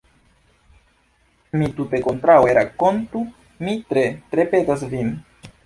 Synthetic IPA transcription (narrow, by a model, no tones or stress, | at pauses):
mit̪ut̪ekont̪ɾaweɾakont̪u | mit̪ɾet̪ɾepet̪as̬vin